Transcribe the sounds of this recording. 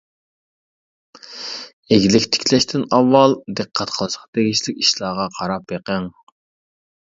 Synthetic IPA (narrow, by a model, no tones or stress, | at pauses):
eɡʲilɪkʲt̪ʰɪ̥kʲʰlɛʃt̪ʰɪnɑwːɑlˠd̪ɨqʰːæt̪̚qʰəlˠʃqʰɑt̪eɡʲiʃlɪkʲiʃlˠɑːʁɑqʰɑɾɑpjeqæŋ